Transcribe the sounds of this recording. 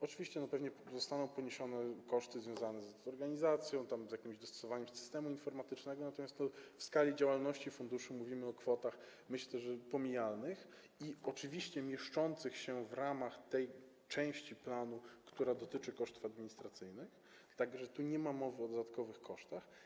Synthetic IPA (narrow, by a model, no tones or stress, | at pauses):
ɔt͡ʂɨvʲiɕt͡ɕɛnɔpɛvɲɛzɔst̪anɔ̃w̃pɔɲeɕɔnɛkɔʂt̪ɘzvjɔ̃w̃zanɛzɔɾɡaɲizat̪sʲjɔ̃w̃t̪amzjakʲimʑd̪ɔst̪ɔ̥sɔvaɲɛmsɨ̥st̪ɛmuinfɔɾmat̪ɘt͡ʂnɛɡɔnat̪ɔmʲjast̪nɔfskalʲid͡ʑawalnɔɕt͡ɕifund̪uʂɘmuvʲimɘɔkfɔt̪ax | mɘɕlɛʐɛpɔmʲijalnɘx | iɔt͡ʂɘvʲiɕt͡ɕɛmʲjɛʂt͡ʂɔnt̪sɘxɕɛvɾamaxt̪ɛj | t͡ʂɛ̃w̃ɕt͡ɕiplanukt̪uɾad̪ɔt̪ɘt͡ʂɘkɔʂt̪ufad̪mʲiɲist̪ɾat̪sɘjnɘx | t̪aɡɔʐɛt̪uɲɛmamɔvɘɔd̪ɔd̪at̪kɔvɘxkɔʂt̪ax